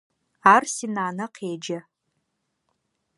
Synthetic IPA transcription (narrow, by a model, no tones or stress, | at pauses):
arsinaːnaqʰeːd͡ʒa